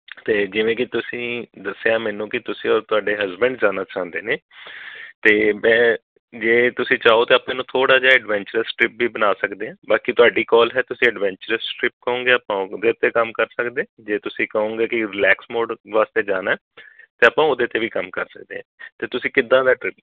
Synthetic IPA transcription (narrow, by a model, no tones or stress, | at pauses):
t̪eːd͡ʒɪʋẽːkɪt̪ʊsĩːd̪əsːeaːmɛ̃ːnũːkɪt̪ʊsĩːɔːɾt̪ʊaːɖeːɦəzbəɳɖd͡ʒaːnaːt͡ʃãːnd̪eːneː | t̪eːmɛ̃ː | d͡ʒeːt̪ʊsĩːt͡ʃaːoːt̪eːəpãːnũːt̪ʰoːɽaːd͡ʒaːɛːɖʋɛ̃ːɲt͡ʃəɾəsʈɾɪp̚biːbənaːsəkd̪eːɛ̃ːbaːkit̪ʊaːɖiːkɔːlɦɛːt̪ʊsĩːɛɖʋɛ̃ːɲt͡ʃəɾəsʈɾɪp̚kəõːŋɡeːəpãːod̪eːt̪eːkəmkəɾsəkd̪ẽːd͡ʒeːt̪ʊsĩːkəɦõːɡeːkɪɾɪlɛːksmoːɖʋaːst̪eːd͡ʒaːnaː | t̪eːəpãːod̪eːt̪eːʋiːkəmkəɾsək̚d̪ḛːɦɛ̃ːt̪eːt̪ʊsĩːkɪd̪ãːd̪aːʈɾɪp̚